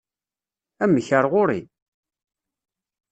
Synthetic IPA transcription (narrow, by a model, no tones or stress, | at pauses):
æməçəɾˤʁʊɾḭ